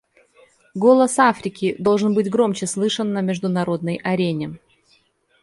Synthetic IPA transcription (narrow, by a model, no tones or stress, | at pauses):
ɡo̞lˠəsafɾʲɪkʲɪd̪o̞lˠʐɨnbɨtʲɡɾo̞mt͡ɕɪslˠɨʂənːəmʲɪʐd̪ʊnɐɾo̞d̪̚nəjʔɐɾʲenʲɪ